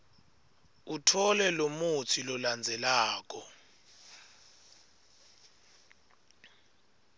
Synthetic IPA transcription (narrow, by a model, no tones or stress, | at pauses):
utʰɔlɛlomutʰilɔland͡zʱɛlaːk̬ʼɔ